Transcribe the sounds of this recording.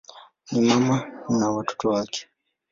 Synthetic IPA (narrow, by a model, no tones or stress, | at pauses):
nimamanawatɔ̥tɔwakɛ̥